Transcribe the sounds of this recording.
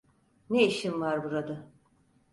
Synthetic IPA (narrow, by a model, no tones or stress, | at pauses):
neiʃimvaɾbuɾad̪a